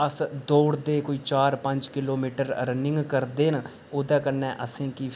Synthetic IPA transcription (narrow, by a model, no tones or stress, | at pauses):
əsd̪oːɽd̪eːkoiːt͡ʃaːɾpəɲd͡ʒkɪloːmiːʈəɾ̰ɾənɪ̃ŋɡkəɾd̪eːn | oːd̪aːkəɾnɛ̃ːʔəsẽːkiː